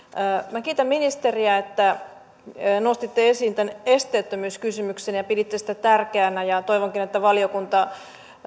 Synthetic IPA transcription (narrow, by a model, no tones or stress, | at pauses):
mækiːt̪æmminist̪eriæet̪ːæ | nost̪it̪ːeesiːnt̪ænest̪eːt̪ːømyːskysymyksenjɑpidit̪ːesi̥t̪æt̪ærkeænæjɑt̪oiʋoŋkinet̪ːæʋɑliokunt̪ɑ